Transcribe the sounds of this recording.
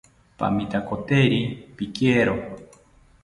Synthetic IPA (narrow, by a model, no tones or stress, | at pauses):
pa̰mit̪akot̪eɾipikeɾo